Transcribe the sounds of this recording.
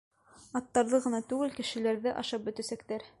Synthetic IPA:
ɑt̪ːɑɾðɤʁɤ̆nɑt̪ʉɡɘlkɘ̆ʃɘ̆læɾðɘʔɑʃɑp̚bɵ̆t̪æsækt̪æɾ

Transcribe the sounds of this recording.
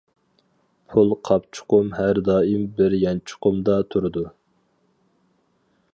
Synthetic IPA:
pʰulˠqʰɑpt͡ʃʰʊ̥qʊmhæɾd̪ɑːimbɪɾjɑnt͡ʃʰʊ̥qʊmd̪ɑt̪ʰuɾɨd̪u

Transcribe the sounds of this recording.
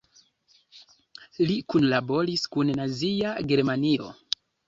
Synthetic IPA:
likunlabo̞ɾiskunnaziaɡe̞ɾmanio̞̰

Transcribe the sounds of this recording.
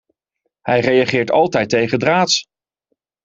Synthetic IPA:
hɛjrejɑχɪːɹtɑlˠtɛjtejχədraːts

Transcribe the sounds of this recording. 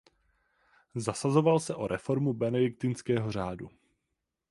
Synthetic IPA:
zasazo̞valsɛʔo̞ɾʔɛfo̞ɾmubɛnɛdɪk̚t̪ɪnskɛːɦo̞r̝aːdṵ

